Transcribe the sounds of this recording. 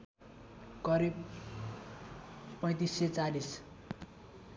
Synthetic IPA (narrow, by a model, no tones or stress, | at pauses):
kʌɾib | pʌ̃j̃t̪isːet͡salis